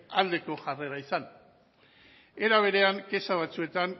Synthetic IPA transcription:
ald̪e̞ko̞ʝare̞ɾaisan | e̞ɾaβ̞e̞ɾe̞aŋke̞saβ̞at͡sue̞t̪an

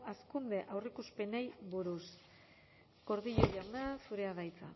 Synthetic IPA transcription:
askund̪e̞ʔawrikuspe̞nejβuɾus | ɡ̥o̞ɾðiʎoʎanasuɾe̞aðajt͡sa̰

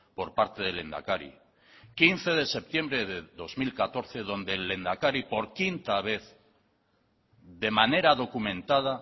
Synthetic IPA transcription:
po̞ɾpaɾt̪e̞ðele̞nd̪a̰kaɾḭ | kinθe̞ðe̞se̞p̚t̪je̞mbɾeðeðo̞zmilkat̪o̞ɾθe̞ðõ̞nd̪elːe̞nd̪akaɾipo̞ɾkint̪aβ̞e̞θ | ðe̞mane̞ɾaðo̞kumẽ̞nt̪að̞a

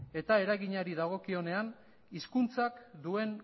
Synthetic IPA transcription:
e̞t̪ae̞ɾaɣiɲaɾiðaɣ̞o̞kio̞ne̞an | iskunt͡sakd̪ue̞n

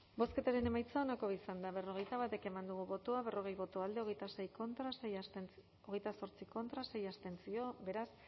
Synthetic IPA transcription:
bo̞ske̞t̪aɾe̞ne̞majt͡saonako̞βisand̪aβ̞e̞ro̞ɣ̞e̞jt̪aβ̞at̪e̞ke̞mand̪uɣ̞uβo̞t̪oaβe̞rʔo̞ɣe̞jβo̞t̪oald̪eo̞ɣ̞e̞jt̪ase̞jko̞nt̪ɾase | oɣ̞e̞jt̪aso̞ɾt͡siko̞nt̪ɾase̞jast̪e̞nt͡sio̞be̞ɾas

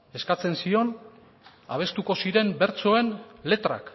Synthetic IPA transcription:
e̞skat͡se̞nsio̞n | a̰β̞e̞st̪uko̞siɾe̞mbe̞ɾt͡so̞e̞nle̞t̪ɾa̰k

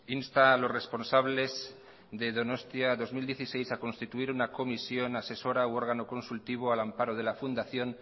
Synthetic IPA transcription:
inst̪alo̞sre̞spo̞nsaβle̞z | ðe̞ðo̞no̞st̪jaðo̞zmild̪je̞θise̞jsako̞nst̪it̪uiɾunako̞misjo̞nase̞so̞ɾawo̞ɾɣano̞ko̞nsult̪iβ̞oalampaɾoð̞e̞lafund̪aθjo̞n

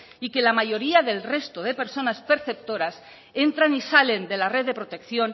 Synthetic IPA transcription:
ikelamaʝo̞ɾiaðe̞lre̞st̪oð̞epe̞ɾso̞naspe̞ɾθe̞p̚t̪o̞ɾas | e̞nt̪ɾanisale̞nd̪e̞lare̞ððe̞pɾo̞t̪e̞kθjo̞n

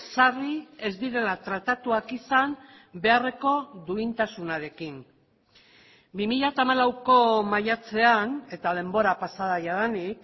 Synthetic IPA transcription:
sarie̞zd̪iɾe̞lat̪ɾat̪at̪uakisam | be̞are̞ko̞ðuint̪asunaɾe̞kin | bimiʎat̪amalawko̞majat͡se̞ane̞t̪aðe̞mbo̞ɾapasaðajaðanik

